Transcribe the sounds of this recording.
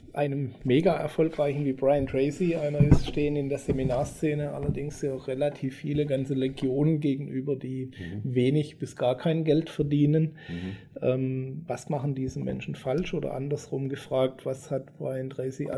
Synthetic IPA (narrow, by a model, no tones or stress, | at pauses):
ʔaɪnəmːeːɡaːʔɛ̰ɐfɔlkʁ̥aɪçn̩viːbʁaɪəntʁeɪsiʔaɪnɐɪsʃteːənɪndeːɐz̥eminaːɐst͡seːnəʔa̰lɐdɪŋsjaːʁelatʰiːfːiːləɡant͡səleɡjoːnənɡeːɡŋ̩ʔyːbɐdiːveːnɪçb̥ɪsɡ̥aːɐkʰaɪnɡɛltfɛɐdiːnən | ʔɛːmvasmaχn̩diːzəmɛ̰nʃn̩falʃʔoːdɐ̰ʔa̰ndɐsʁʊmɡəfʁ̥aːk̚tv̥ashatb̥ʁaɪəntʁeɪsia̰